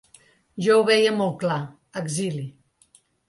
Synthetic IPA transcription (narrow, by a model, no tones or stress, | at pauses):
ʒɔwβɛjəmɔlˠt̪̚kla | əɡzili